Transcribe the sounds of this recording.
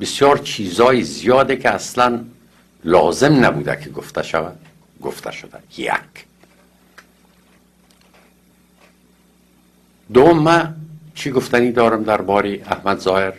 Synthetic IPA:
besjɒːɾt͡ʃʰiːzɒːjizijɒːd̪ekʰeaslæn | lɒːzemnæbuːd̪æ̰kʰeɡoft̪æʃævæd̪̥ | ɡo̰ft̪ʰæ̰ʃod̪æjæ̰k | d̪oomːæt͡ʃʰiɡoft̪æniːd̪ɒːɾamd̪æɾbɒːɾeæhmæd̪zɒːheɾ

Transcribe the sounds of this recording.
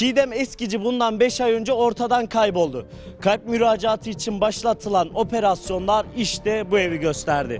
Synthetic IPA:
ʃijd̪ɛmɛscid͡ʒibund̪anbɛʃajø̞nd͡ʒɛo̞ɾt̪ʰad̪ankʰajbo̞lˠd̪ʊ | kʰajp̚myɾaːd͡ʒaːt̪ʰɯit͡ʃʰinbaʃlˠat̪ʰɯlˠano̞pʰe̞ɾasjo̞nlˠaɾiʃt̪ɛbueviɟø̞st̪ʰæɾd̪ɪ̰

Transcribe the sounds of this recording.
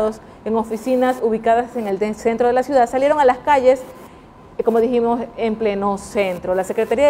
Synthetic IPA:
ðos | eŋofisinasuβikaðase̞ŋelese̞nt̪ɾo̞ð̞elasjuðad̪salje̞ɾoŋalaskaʝe̞s | ko̞mo̞ðiximosemple̞no̞sent̪ɾo̞lase̞kɾe̞t̪aɾia

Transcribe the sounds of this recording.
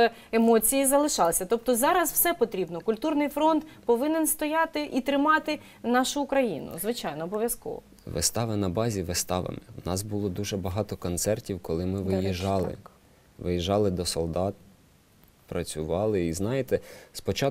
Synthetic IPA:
emɔt͡sʲijizɐlˠɪʃɑlˠsʲɐt̪ɔp̚t̪ɔzɑɾɐswsɛpɔt̪ɾʲibnɔkʊlʲt̪urnɪjfɾɔnt̪pɔʋɪnenst̪ɔjɑt̪ɪʔit̪ɾɪmɑt̪ɪ | nɑʃʊːkɾɐjḭnʊ̰zʋɪt͡ʃɑjnɔːbɔʋʲjɐskɔ̰ʋɔ̰ | ʋɪ̰st̪ɑʋɪnɐbɑzʲiʋɪst̪ɑʋɪ̰mewnɑsbʊlˠɔd̪uʒɛbɐɦɑt̪ɔkɔnt̪sɛrtʲiwkɔlˠɪmɪʋɪjiʒɑlˠɪ̰ | ʋɪjiʒɑlˠɪd̪ɔsɔlˠd̪ɑt̪̚ | pɾɐt͡sʲʊʋɑlˠɪiznɑjet̪ɛspɔt͡ʃɑ

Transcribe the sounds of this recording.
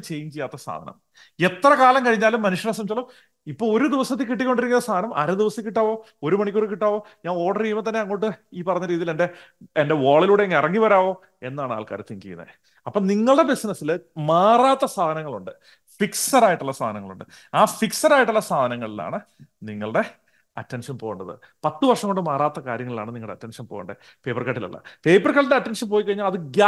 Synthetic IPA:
t͡ɕejɲt͡ɕejːaːt̪ːɐsa̰ːd̪ʱɐnʔɐ̰m | e̞t̪ːrɐkaːlɐmkɐɻiɲːaːlumːɐnuʂjɐnɐsɐmit͡ɕːaːlo | ipːo̞ːɭo̞ɾud̪iʋɐsɐt̪ːɨkiʈ̬ːikʲːo̞ɳɖiɾikʲːilːɐst̪aːd̪ɐnɐmʔɐ̰ɾɐd̪iʋɐsɐkːiʈːaːʋo̞ː | oɾumɐɳik̬ʲːoɽkiʈːaːʋo̞ːɲaːno̞ːʈːɐrijumɐt̪ɐnːeɐŋːoːʈːɨiːpɐrɐɲːɐɾiːðijilende̞ | ende̞ʋoːɭiluːɽe̞ŋːɐirɐŋːiʋɐɾaːʋo̞ː | e̞nːaːɳɨa̰ːlka̰ɾɐ̰t̪ːiŋkḭjṵːɐ̰ | ɐpːoːɭniŋːɐɭɨɽe̞besnɐsːilmaːraːt̪ːɐsaːd̪ʱɐnɐŋːɐɭuɳɖɨ | fiksɐɾaːjiʈːuɭːɐsaːd̪ʱɐnɐŋːɐɭṵɳɖɨ | aːfiksɐɾaːjiʈːuɭːɐsaːd̪ʱɐnɐŋːɐɭilːa̰ːɳɨ | niŋːɐɭɨɽe̞ | ɐtːenʂɐnpo̞ːɣuɳɖɐðɨ̰ | pɐt̪ːɨʋɐrʂɐŋːo̞ɳɖɨmaːraːt̪ːɐkaːɾjɐŋːɐɭilaːɳɨniŋɐɭɽeɐtːenʂɐnpoːṵɳɖɨ̰ | peːpːɐrkaːʈːilɐ̰ɭːɐ̰pe̞ːpːɐrkaːʈːinɖeɐtːenʂɐnp̬o̞ːjikɐɻiɲːaːlɐðɨɡja

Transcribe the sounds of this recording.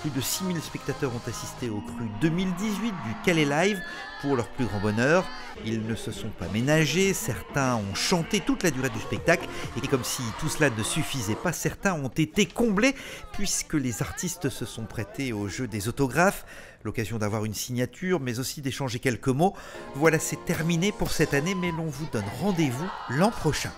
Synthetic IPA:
plyd̪əsimilspɛk̚t̪at̪œʁɔ̃t̪asist̪eokχyd̪ømild̪izɥit̪̚d̪ykalelajv | puʁlœʁplyɡʁɑ̃bɔnœːʁ | ilnəsəsɔ̃pamenaʒesɛʁt̪ɛ̃ɔ̃ʃɑ̃t̪et̪ut̪lad̪yʁed̪yspɛk̚t̪aklekɔmsit̪uslanəsyfizɛpasɛʁt̪ɛ̃ɔ̃t̪et̪ekɔ̃blepɥiskəlezaʁt̪ist̪səsɔ̃pχɛt̪eoʒød̪ezot̪ɔɡʁaf | lɔkazjɔ̃d̪avwaʁynsiɲjat̪ʰyʁmɛzosid̪eʃɑ̃ʒekʲɛlkəmo | vwalasɛt̪ɛʁminepuʁsɛt̪anemɛlɔ̃vud̪ɔnʁɑ̃d̪evulɑ̃pχɔʃɛ̃

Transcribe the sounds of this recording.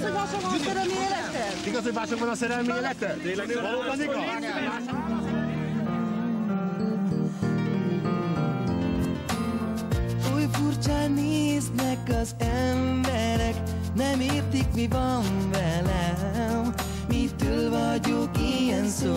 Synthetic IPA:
omaːʃokɔsɛɾɛlmieːlɛt̪ːɛ | iɡɒsoɟmaːʃokvɒnɒsɛɾɛlmieːlɛt̪ɛt̪eːlɛeɔloːɔniaʃokmaːʃok̪ | ojfurt͡ʃaːneːznɛkɒzɛmbɛɾɛk | nɛmeːrt̪ikmivɒɱvɛlɛm | mit̪ːølvɒɟokijɛnsoː

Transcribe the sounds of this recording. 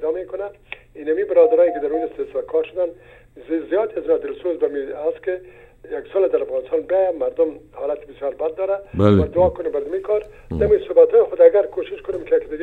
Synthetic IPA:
d̪ɔmekʊna | inamibɪɾɔd̪aɾɔjkɪd̪aɾud͡ʒɪst̪eslkʰɔɾʃʊd̪an | zijɔt̪iaznat̪ɪlsozbamiaskɪ | jaksɔlad̪aɾafɣɑnɪst̪ɑnbajamaɾd̪ʊmhɔlat̪i̥bɪsjɔɾbad̪ːɔɾabalad̪ʊɔkʊnembaɾd̪amikʰɔɾ | d̪amisʊbat̪hɔjɪxʊd̪aɡaɾkoʃɪʃkʊnemkɪjakd̪ɪɡ

